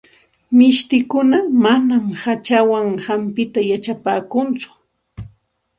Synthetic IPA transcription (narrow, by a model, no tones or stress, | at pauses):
mɪʃt̪ɪkʊnamanamhat͡ʃawaŋhampɪt̪ajat͡ʃapaːkʊnt͡sʊ̥